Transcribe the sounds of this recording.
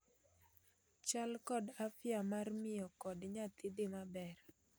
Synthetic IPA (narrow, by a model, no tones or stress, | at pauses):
t͡ʃalkɔdafjamarmɪjɔkɔdɲat̪ɪdɪmabɛr